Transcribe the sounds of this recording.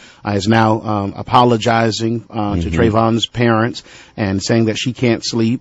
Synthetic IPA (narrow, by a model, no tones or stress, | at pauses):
ʔaɪɨznaʊə̰pʰɑlˠəd͡ʒaɪzɪ̃ŋtʰɨtʰɹ̥eɪvɑ̃nz̥pʰɛɹɨ̃ntsʔɨ̃nseɪɪ̃ŋðɨtʃikʰæ̃ntslip̚